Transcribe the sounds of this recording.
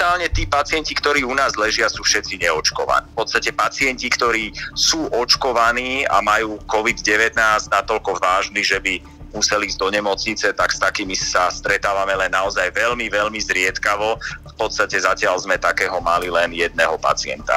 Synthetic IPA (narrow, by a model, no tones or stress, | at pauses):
aːlɲɛt̪iːpat͡sɪɛncikt̪ɔɾiːunaːzlɛʒɪasuːfʃɛt͡siɲɛɔt͡ʃkɔʋa̰niːfpɔt̪st̪acɛpat͡sɪɛncikt̪ɔɾiːsuːʔɔt͡ʃkɔʋaniːa̰majuːkɔʋid̪ɟɛʋɛt̪naːznat̪ɔlkɔʋaːʒniʒɛbi | musɛliːzɟd̪ɔɲɛmɔt͡sɲit͡sɛt̪akst̪akiːmisast̪ɾɛt̪aːʋamɛlɛnːaɔzajʋɛʎmiʋɛlmizɾɪɛt̪kaʋɔafpɔt̪st̪acɛzacɪalzmɛt̪akɛːɦɔmalilɛnjɛd̪nɛːɦɔpa̰t͡sɪɛ̰nt̪a̰